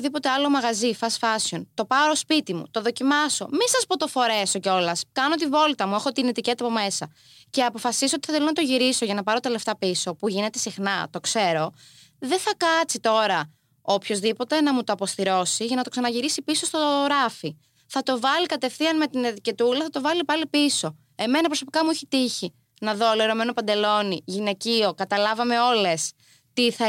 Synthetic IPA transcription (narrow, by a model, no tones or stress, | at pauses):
oðipo̞t̪e̞ɐlo̞mɐɣɐzifɐsfɐsio̞nt̪o̞pɐɾospit̪imṵt̪oðo̞cimɐso̞misɐspot̪o̞fo̞ɾe̞so̞ceo̞lɐskɐnot̪ivo̞lt̪ɐmue̞xo̞t̪inet̪ice̞t̪ɐpo̞me̞sɐ | ce̞ɐpo̞fɐsisoot̪iθɐθelonɐt̪oʝiɾiso̞ʝɐnɐpɐɾot̪ele̞ft̪ɐpiso̞puʝine̞t̪e̞sixnɐt̪o̞kse̞ɾo̞ | ðe̞θɐkɐt͡sit̪o̞ɾɐ | opço̞zðipo̞t̪e̞nɐmut̪oɐpo̞st̪iɾo̞siʝɐnɐt̪o̞ksɐnɐʝiɾisipiso̞st̪oɾɐfi | θɐt̪o̞vɐlikɐt̪e̞fθiɐnme̞t̪inet̪ice̞t̪ulɐθɐt̪o̞vɐlipɐlipiso̞ | e̞me̞nɐpɾo̞so̞pi̥kɐmuiçet̪içi | nɐðo̞lieɾo̞me̞no̞pɐnd̪e̞lo̞niʝine̞cio̞kɐt̪ɐlɐvɐme̞o̞le̞s | t̪iɐ